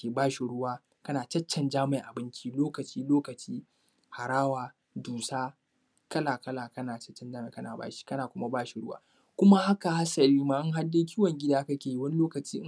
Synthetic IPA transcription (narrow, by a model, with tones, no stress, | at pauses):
kʲeː˨baː˦ʃi˨ɽʊ˦waː˦ | kɐ˦naː˨t͡ʃɐ˦t͡ʃːɛ˨nd͡ʒaː˦ma˨ʔa˨bɪ˦nt͡ʃi˦loː˦kɐ˨t͡ʃiː˦loː˦kɐ˨t͡ʃiː˦ | ha˨ɾaː˦waː˨ | duː˨saː˦ | kʼɐ˦laː˨kɐ˦laː˨kɐ˦naː˨t͡ʃɐ̥˦t͡ʃːɛ˨nd͡ʒaː˦me˨kɐ˦na̰ː˨ba̰ː˦ʃi̥˦kɐ˦naː˨kʷʊ˦ma˦baː˦ʃi˨ɽʊ˦wa̰ː˦ | kʷʊ˦ma˦ha˦ka˨ha˦sɐ˨liː˦maː˨ʔa˦ŋɦa˦dːe˦k̬ʲiː˦wɐ˨ŋɡʲɪ˦daː˦kɐ˦kʲeː˨ji˦wɐ˦n˦loː˦kɐ˨t͡ʃiː˦